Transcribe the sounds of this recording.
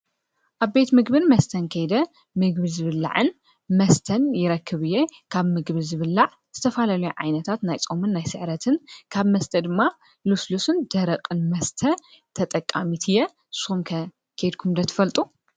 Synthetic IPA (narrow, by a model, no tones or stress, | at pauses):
ʔaβbe̞t̪mɨɡbɨnmɐst̪ʰɐnkʰɐjd̪ɐ | mɨɡ̚bɨzɨβɨlːa̰ʕɨn | mɐst̪ʰɐnjɪɾɐkʰːɨβɨjːekʰaβmɨɡbɨzɨβɨlːaʕ | z̥ɨt̪ʰɐfalalujuʕa̰jnɐt̪ʰat̪najt͡sʼomɨnːajsɨʕɾɐt̪ʰɨnkʰaβmɐst̪ʰɐd̪ɨmːa | luslusɨnd̪̥ɐɾɐqʼɨnmɐst̪ʰɐ | t̪ʰɐt̪ʼɐkʼːamit̪ʰɨjɛ | su̥xumkʰɐ | kʰɐjd̪kʰumd̪ɐt̪ʰɨ̥fɐlt̪ʼu